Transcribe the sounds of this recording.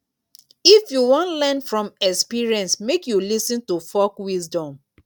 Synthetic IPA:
ifjuwɔ̃ntlɛ̃nfɹɔ̃mɛkspiɹiɛ̃nsmekjulisĩntufɔkwizdɔ̃m

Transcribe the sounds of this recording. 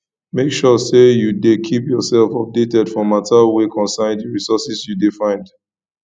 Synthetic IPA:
mekʃɔsejudekʰipjɔsɛlfɔp̚detɛdfɔ̃matʰalwekʰɔ̃nsãndiɹisɔsisjudifãɪ̃nd

